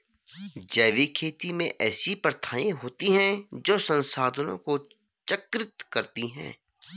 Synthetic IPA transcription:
d͡ʒɛːʋikʰeːt̪imḛ̃ʔɛːsipɾət̪ʰaːẽɦoːt̪iɦɛ̃d͡ʒoːsə̃nsaːd̪ʱənõ̰ko | t͡ʃəkɾɪt̪kɐɾt̪iɦɛ̰̃ː

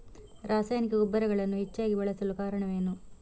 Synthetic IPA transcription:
ɾaːsaːjnikɐɡubːɐɾɐɣɐɭɐnːuit͡ʃːaːɡiʋɐɭɐsɐlukaːɾɐɳɐmeːnːu

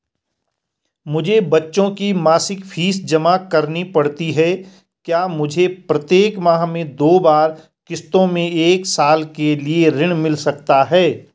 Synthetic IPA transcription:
mʊd͡ʒʱebɐtːʃõkimaːsɪkpʰiːsd͡ʒɐmakɐɾnipɐɽt̪iɦɛː | kjaːmʊd͡ʒʱepɾɐt̪jeːkmaːɦmẽd̪oːbaːɾ | kɪst̪õmẽeːksaːlkelieɾɪɽ̃mɪlsɐkt̪aɦɛː

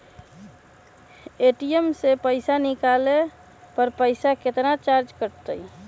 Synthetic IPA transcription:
eʈiəmsepəɪsanɪkale | pəɾpəɪsaket̪nat͡ʃaɾd͡ʒkəɾt̪əi

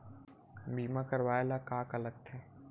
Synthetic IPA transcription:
biːmãkəɾwaːelakaːkələɡ̚t̪ʰɛ̃ː

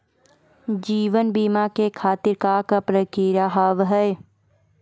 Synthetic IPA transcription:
d͡ʒiːʋənbiːmakekʰaːt̪ɪɾkaːkapɾəkiɾaɦaʋɦɛe

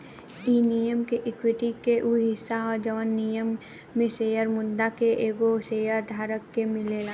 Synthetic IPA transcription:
iːnijəmkeʔɪkwɪʈikeʔuɦɪsːaɔːɾd͡ʒəʋənːijəmː | ẽseːjəɾmʊd̪akeʔeːɡoseːjəɾd̪ʱaːɾəkːemɪlelaː

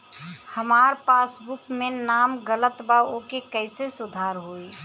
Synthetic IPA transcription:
həmaːɾpaːsbʊkmẽnaːmɡələt̪baokekəɪsesʊd̪ʱaːɾɦoi

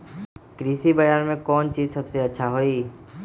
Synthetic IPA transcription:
kɾiːsibɐjaːɾmẽkɔːnt͡ʃiːzsɐbseɐtːʃʰaɦoːi

